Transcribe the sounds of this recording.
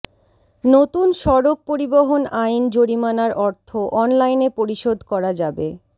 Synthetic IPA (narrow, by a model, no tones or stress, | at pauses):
not̪unʃɔɾok̚poɾiboɦonajnd͡ʑoɽimanaɾʔɔɾt̪ʰoʔɔnlajnepoɾiʃod̪ʱkɔɾad͡ʑabe